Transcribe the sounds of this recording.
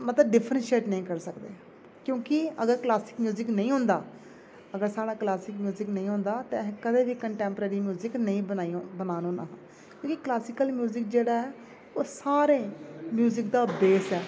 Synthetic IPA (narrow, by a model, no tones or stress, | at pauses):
mət̪ləbɖɪpʰɾə̃nʃeːʈnəĩːkəɾsəkd̪eː | kjõːkɪəɡəɾklaːsɪkmjuːzɪknəĩːɦʊ̃ːnd̪aː | əɡəɾsaːɽaːklaːsɪkmjuːzɪknəĩːɦʊ̃ːnd̪aːt̪ẽkəd̪eːbiːkəɳʈɛːmpɾeːɾiːmjuːzɪknəĩːaibənaːnoːna̰ːɦãː | kjõːkɪklaːsɪkəlmjuːzɪk̚d͡ʒeːɽaːɛː | oːsaːɾeːmjuːzɪkd̪aːbeːsɛː